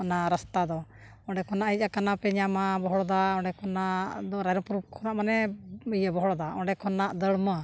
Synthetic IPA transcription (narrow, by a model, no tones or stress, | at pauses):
ɔnaɾəst̪ad̪ɔ | ɔ̃ɳɖɛkɔnaʔɦic̚ˀakanapɛɲamabɔɦɔɽɔd̪aɔ̃ɳɖɛkʰɔnad̪ɔɾajɾɔpuɾup̚kʰɔnaʔmanɛəjabɔɦɔɽɔd̪aɔ̃ɳɖɛkɔnaʔd̪əɽmə